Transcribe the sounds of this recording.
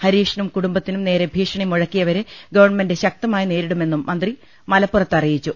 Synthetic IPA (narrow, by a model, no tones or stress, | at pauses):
hɐɾiːʂɐnɐmkuɽumbɐt̪ːinumne̞ːɾe̞bʱiːʂɐɳimuɻɐkːijɐʋɐɾɨɡɐʋɐrɳɐme̞ndɨɕɐk̚t̪ɐmaːjineːɾiɽume̞nːumːɐnd̪ri | mɐlɐpːurɐt̪ːɐrijit͡ɕːu